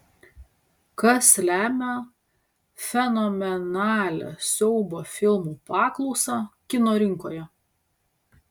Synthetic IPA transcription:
kɐslʲæːmʲo | fʲɛnɔmʲɛnɑːlʲo̰ːsʲɛʊboːfʲɪlˠmuːpɑːklˠɒʊsɑːkʲɪnoːɾʲɪŋkoːjɛ

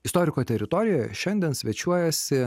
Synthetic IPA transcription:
ɪst̪ɔːɾʲɪkoːt̪ʲɛɾʲɪt̪ɔɾʲɪjojɛʃʲɛnʲd̪ʲɛnsʲʋʲiɛt͡ʃʲuɔjɛsʲɪ

